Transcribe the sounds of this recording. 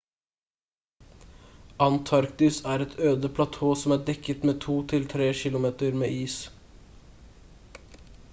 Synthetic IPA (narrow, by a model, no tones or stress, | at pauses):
ɑnt̪ʰɑɾkt̪ɪsæːɾɛt̪ʰøːd̪əpʰlɑt̪ʰoːsɔmæːɖɛkət̪meːt̪ʰuːt̪ʰɪlt̪ʰɾeːʃɪlʊmeːt̪əɾmḛːʔiːs